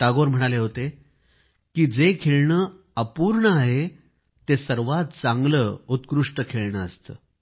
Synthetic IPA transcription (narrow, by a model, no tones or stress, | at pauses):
ʈ̪aɡoɾm̤əɽ̃aleɦot̪e | kiːd͡zekʰeɭɳəː | əpuːɾɳəaɦe | t̪esəɾʋat̪̚t͡sãŋɡləːut̪kɾuʂʈəkʰeɭɳəəst̪ə̰ː